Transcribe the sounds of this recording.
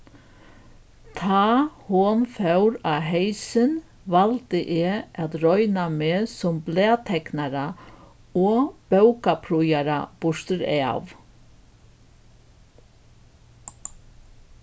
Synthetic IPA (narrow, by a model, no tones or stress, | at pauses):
t̪ʰɑːhoːnfœwɾaɦeɪsən | ʋalt̪əʔeːʔat̪ɾɔʏnameːsɔmbleːt̪ʰɛknaɾa | oɔːb̥œʉkapʰɾujaɾab̥ʊʂt̪əɾɛa̰ʋ